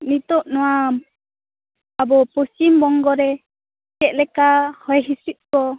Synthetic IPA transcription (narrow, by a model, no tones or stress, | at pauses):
nit̪ɔʔnɔwa | abɔpɔsimbɔŋɡɔɾɛ | kɛʔ̪̚lɛkahɔjɦisit̪̚kɔ